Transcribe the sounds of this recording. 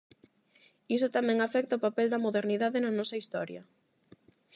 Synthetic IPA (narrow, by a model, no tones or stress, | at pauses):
isʊt̪amɛ̃ŋafɛk̚t̪ɐopapɛld̪ɐmoðeɾniðaðɪnɐnɔsɐist̪ɔɾjɐ